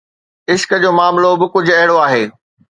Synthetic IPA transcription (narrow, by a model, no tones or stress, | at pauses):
ɪʃkə̆d͡ʑoːmaːmlobɪkʊd͡ʑʱɐɦɪɽoaːɦeː